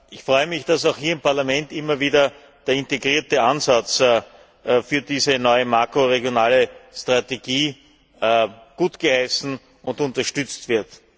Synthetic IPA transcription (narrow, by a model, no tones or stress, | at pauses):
ʔɪçfʁɔʏəmɪçd̥asaʊxhiːɐɪmpaɐlamɛntʔɪmɐviːdɐ | d̥eːɐɪnteɡʁiːɐtəʔanzat͡sː | fyːɐdiːzənɔʏəmakʁoʁeɡjonaːləstʁ̥ateɡiː | ɡ̥uːtɡ̥əhaɪsn̩ | ʊntʊ̃ntɐʃtʏt͡stv̥ɪɐt